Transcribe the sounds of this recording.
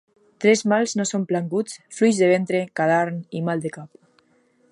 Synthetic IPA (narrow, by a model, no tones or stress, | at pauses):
t̪ɾezmalznosomplaŋɡut͡sflujzðeβ̞ent̪ɾekaðaɾnimalˠd̪ekap